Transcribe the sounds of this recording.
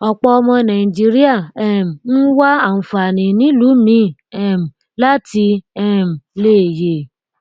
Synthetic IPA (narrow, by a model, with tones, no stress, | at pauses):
ɔ˧k͡pɔ˧ɔ˧mɔ̃˧nã˨ĩ˨d͡ʒi˦ɾi˦a˦˨ɛ˦˨m̩˨n̩˦wa˦a˦˨n̩˨fa˨nĩ˨nĩ˨˦lu˨˦mĩ˧˦ɛ˦˨m̩˨ | la˦ti˧ɛ˦˨m̩˨le˦˨je˨